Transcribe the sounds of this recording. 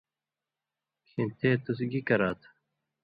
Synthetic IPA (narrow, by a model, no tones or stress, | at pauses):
kʰint̪ʰeːt̪usɡikɐɾaːt̪ʰ